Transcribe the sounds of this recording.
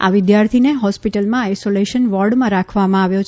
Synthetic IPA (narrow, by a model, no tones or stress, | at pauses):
a̰ʋɪd̪jaɾt̪ʰineɦɔspiʈəlmãajsoleʃənʋɔɾɖmãɾakʰʋamãaʋjot͡ʃʰ